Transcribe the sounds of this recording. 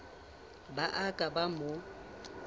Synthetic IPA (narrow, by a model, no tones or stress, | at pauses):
baʔakʼabamʊ